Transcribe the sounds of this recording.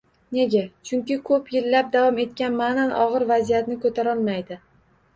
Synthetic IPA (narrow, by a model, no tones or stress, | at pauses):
ne̞ɡʲat͡ʃʰʊŋkʲɪkʰɵpjɪlːap̚d̪avɒme̞t̪kʲanmananʔɒʁɨɾvazijat̪nɪkʰɵt̪ʰaɾɒlˠmajd̪ɪ